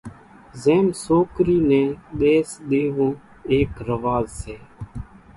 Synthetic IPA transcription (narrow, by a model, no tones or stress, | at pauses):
zeːmsoːkɾiːnẽːɗ̪eːsɗ̪eːʋõː | eːkɾəʋaːzseː